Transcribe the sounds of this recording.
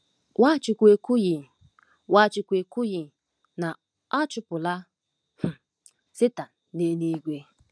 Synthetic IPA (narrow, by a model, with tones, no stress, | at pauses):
wa˦t͡ʃɪ˨kʷe˨ku˦ji˨ | wa˦t͡ʃɪ˨kʷe˨ku˦ji˨ | na˨ | ɔ˦t͡ʃʊ˦pʊ˨la˦ | h̩˨ | sɪ˦ta˨ | ne˦ni˦ɡʷe˦